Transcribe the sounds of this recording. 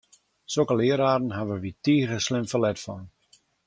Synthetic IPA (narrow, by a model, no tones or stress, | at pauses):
sokəlɪəɾaːrn̩ɦaʋəʋitiːrəslɪmfəlɛtfɔn